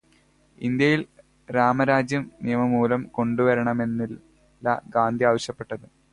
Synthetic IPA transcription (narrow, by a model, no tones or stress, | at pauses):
ḭnd̪jɐjil | ɾaːmɐɾaːd͡ʑjɐmnijɐmɐmuːlɐmko̞ɳɖuʋɐɾɐɳɐme̞nːil | lːɐ̰ɡaːnd̪iaːʋɐɕjɐpːe̞ʈːɐðɨ